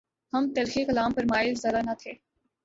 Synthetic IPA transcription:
hɐmt̪ɐlxekɐlaːmpəɾmaːɪlzɐɾanɐt̪ʰeː

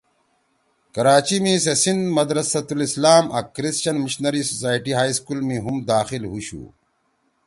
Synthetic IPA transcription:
kɐɾaːt͡ɕimĩsesind̪mɐd̪ɾɐsɐt̪ulislaːmʔɐ̰kɾisɕɐnmiɕnɐɾisosaːjʈiɦaːiskulmiɦumd̪aːxilɦuɕṵ

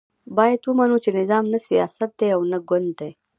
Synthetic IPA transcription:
baːjet̪wumanut͡ʃinɪzaːmnəsijaːsɐt̪̚d̪eawnɐɡond̪t̪ej

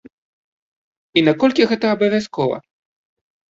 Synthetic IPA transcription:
inakɔlʲkʲiɣɛt̪ɐːbɐvʲaskɔvɐ̰

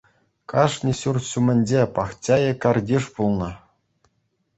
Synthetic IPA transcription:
kɑʂnʲiɕurɕumʲɘ̆nʲd͡ʑepɑχt͡ɕʲɑjɘ̆kɑrdʲiʂpulˠnɤ̆

